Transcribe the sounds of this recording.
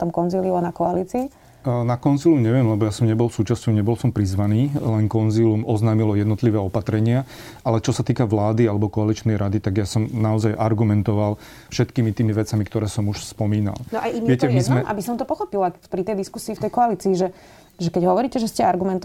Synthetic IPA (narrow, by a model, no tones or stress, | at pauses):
t̪ɔmkɔnziliʊanakɔaliːt͡siː | nakɔnzilumɲɛʋɪɛmlɛbɔjasɔmɲɛbɔlfsuːt͡ʃascɔʊɲɛbɔlsɔmpɾizʋaniːlɛnkɔnzilumɔznaːmilɔjɛd̪nɔt̪liʋɛːɔpat̪ɾɛɲɪa | ʔalɛt͡ʃɔsat̪iːkaʋlaːd̪ialɛbɔkɔalit͡ʃnɛjɾʔad̪it̪aɡjasɔmnaɔzajʔaɾɡumɛnt̪ɔʋal | fʃɛt̪kiːmit̪iːmiʋɛt͡samikt̪ɔɾɛːsɔmuʃspɔmiːna̰lnɔajiʋɪɛcɛmizmɛʔa̰bisɔnt̪ɔpɔxɔpilapɾit̪ɛjd̪iskusiːft̪ɛjkɔaliːt͡siːʒɛ | ʒɛkɛɟɦɔʋɔɾiːcɛʒɛscɛaɾɡumɛnt̪